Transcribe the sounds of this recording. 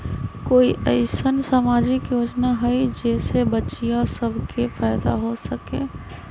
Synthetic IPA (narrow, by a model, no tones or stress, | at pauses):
koːiʔəɪsənsaːmaːd͡ʒɪkjoːd͡ʒnaɦəid͡ʒɛːsebət͡ʃijasəbʱkʰefʰaɪd̪a̰ɦosəkḛ